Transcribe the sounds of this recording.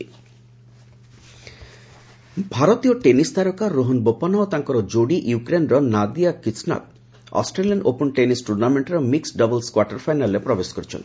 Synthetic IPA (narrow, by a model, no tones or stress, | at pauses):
bʱaɾot̪ijɔʈenisd̪aɾɔkaɾoɦɔnbopɔnɔt̪aŋkɔɾɔd͡ʒoɽiʔjukɾenɾɔnad̪ijakisna̰t̪̚ | ɔ̰sʈɾelijanʔopɔnʈenisʈuɾnameɳʈɾɔmiksɖʌbɔlskwaʈeɾfʰajnalɾepɾɔbeskɔɾit͡ʃʰɔ̰n